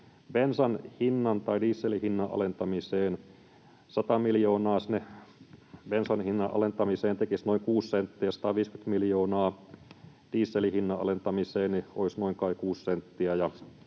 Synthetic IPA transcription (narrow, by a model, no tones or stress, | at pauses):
bensɑnhinːɑnt̪ɑidiːsːelihinːɑʔɑ̰lent̪ɑmiseːn | sɑt̪ɑmiljoːnɑːsne | bensɑnhinːɑʔɑ̰lent̪ɑmiseːnt̪ekisnoiŋkuːssent̪ːiæsɑ̥t̪ɑʋiːskyt̪miljoːnɑː | d̥iːsːelihinːɑʔɑ̰lent̪ɑmiseːnnio̰isnoiŋkɑikuːssent̪ːiæjɑ